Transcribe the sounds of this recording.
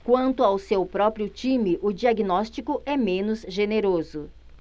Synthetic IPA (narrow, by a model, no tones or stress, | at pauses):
kwɐ̃nt̪ʊawsewpɾɔpɾiʊt͡ʃĩmɪʔʊd͡ʒiaɡinɔst͡ʃikʊʔɛmẽnʊzʒeneɾozʊ